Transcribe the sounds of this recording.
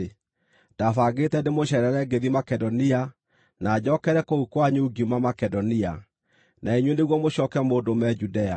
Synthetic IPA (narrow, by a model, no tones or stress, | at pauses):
d̥afaɡetɛndemoɕɛɾɛɾɛɡeðimakɛdɔnia | naːd͡ʑɔkɛɾɛkoukwaɲuuɡimamakɛdɔnia | naiɲwɛneɣwɔmoɕɔkɛmoːdomɛd͡ʒudɛa